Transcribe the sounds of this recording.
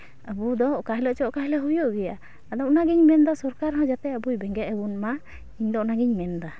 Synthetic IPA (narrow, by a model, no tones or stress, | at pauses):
əbud̪ɔkaɦɛləʔt͡ʃɔʔkaɦɛlɛɦujɔʔɡɛja̰ | ad̪ɔʔnaɡiɲmɛnd̪asɔɾkaɾɦãd͡ʒat̪ɛəbujbɛŋɡɛt̪əbunma | iɲd̪ɔʔnaɡiɲmɛnd̪a